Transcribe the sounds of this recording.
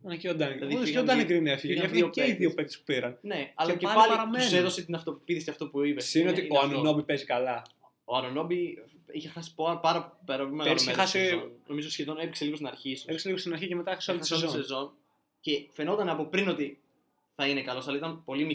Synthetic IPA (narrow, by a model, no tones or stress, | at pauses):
ɐnɐiod̪ɐnɐðiðiod̪ɐekɾinefiʝɐfioeiðiopek̚t̪u̥spu̥piɾɐnne̞ɐlɐceɐlɾɐmeuseðo̞set̪inɐft̪o̞ppiθiseɐft̪o̞puipessineot̪ioɐnono̞bipe̞zikɐlɐ | oɐnono̞bi | içexɐsi̥popɐɾɐpeɾɐpolimeɣɐmexɐsino̞mizoisçeðo̞ne̞pikseliɣot̪inɐɾçisepikseliɣost̪inɐɾçicemet̪ɐxɾisosolzosezo̞n | ce̞fe̞no̞t̪ɐnɐpo̞pɾino̞t̪i | θɐinekɐlo̞sɐlɐit̪ɐnpo̞limi